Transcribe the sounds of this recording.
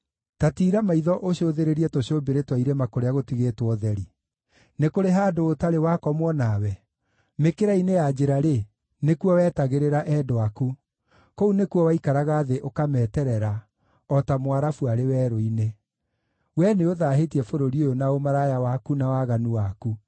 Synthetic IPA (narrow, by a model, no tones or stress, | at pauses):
tatiːɾamaiðɔʔoɕoðeɾeɾiɛtoɕoːbeɾetwaiɾemakoɾeaɣotiɣetwɔðɛɾi | nekoɾeɦaːdoːtaɾewakɔmwɔnawɛ | mekeɾainejad͡ʒeɾaɾe | nekuɔwɛːtaɣeɾeɾaʔɛdoaku | kounekuɔwaikaɾaɣaːðeʔokamɛːtɛɾɛɾa | ɔtamwaɾafuaɾewɛːɾoine | wɛneoðaɦetiɛfoɾoɾiojonaomaɾajawakunawaɣanuwaku